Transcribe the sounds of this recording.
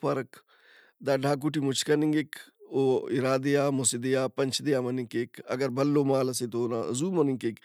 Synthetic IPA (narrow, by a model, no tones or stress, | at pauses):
pɐɾɐk | d̪aːɖʱaːk̬uʈ̬imʊt͡ʃʰkɐnĩŋɡekoiɾaːd̪ejaːmʊsid̪ejaːpɐnʲt͡ʃʰd̪ejaːmɐnĩkekʰɐ̰ɡəɾbɐlːomaːlɐset̪ona̰zuːmɐnikeːk